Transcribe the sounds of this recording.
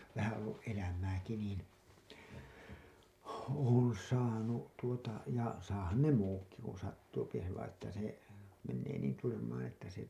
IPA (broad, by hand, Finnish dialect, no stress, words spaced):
ʋæhæ olːuʔ ʔelæmæːki niːn oːn̞ sɑːnu tuotɑ jɑ sɑːhɑn ne muːkːi kun̞ sɑtːuːpi se ʋɑĩː etːæ se menːeː niːn tyrmæːæ̃ etːæ se